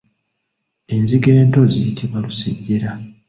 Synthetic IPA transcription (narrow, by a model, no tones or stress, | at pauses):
e̞nziɡe̞ːnto̞zijitʰiβalusiɟːeɾa